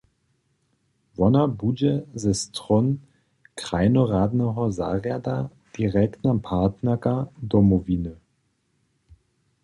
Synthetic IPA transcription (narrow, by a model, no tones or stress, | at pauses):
vɔnɐbud͡ʒəzɛstʁ̥ɔn | kʁ̥aɪnoʁaːdnəʁɔza̰ːʁada | d̥iʁɛktnapʰaɐtnɐkadɔmoviːnə